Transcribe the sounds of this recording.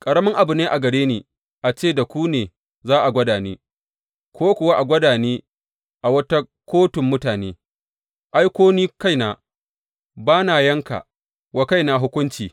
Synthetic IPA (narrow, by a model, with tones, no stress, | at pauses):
kʼɐ˨ɽɐ˦mɪ˦ŋʔa˨bʊ˨neː˦ʔa˨ɡɐ˨ɽeː˦niː˨ | ʔa˨t͡ʃeː˦˨da˨kʷuː˦neː˨ | zaː˦ʔa˨ɡʷɐ˦daː˨neː˦ | kʷʰoː˦kʷʊ˨wa˦ʔa˨ɡʷɐ˦daː˨neː˦ | ʔa˨wɐ˦ta˦ | kʷoː˦tʊ˨mːʊ˦taː˨neː˦ | ʔa˦jkʷoː˦niː˦ka˦˨jnaː˨ | baː˦naː˨jɐ˦ŋka̰˨ | wa˦ka˦jnaː˨ɦʊ˦kʷʊ˦nt͡ʃiː˨